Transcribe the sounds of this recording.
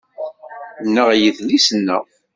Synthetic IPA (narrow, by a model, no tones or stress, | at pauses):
nːəʁjəðlisənːə̰ʁ